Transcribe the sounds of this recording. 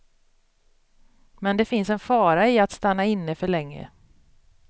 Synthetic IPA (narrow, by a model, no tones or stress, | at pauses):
mɛnd̪ɛfɪnsɛnfɑːɾaɪat̪st̪anːaɪnːəfœɭɛŋːə̰